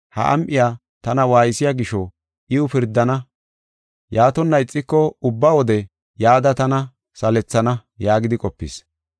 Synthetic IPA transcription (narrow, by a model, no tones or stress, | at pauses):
hɐ̰ʔɐ̰mʔɪjaː | t̪ɐnɐwaːjɪsɪjaɡɪʃɔ | ʔɪʊpɪɾd̪ːɐnɐ | jaːt̪ɔnːɐɪt͡sʼːɪkːɔʊbːawɔd̪ɛ | jaːd̪ɐt̪ɐnɐ | sɐlɛt͡sːɐnɐjaːɡɪd̪ɪkʼɔpːɪ̰s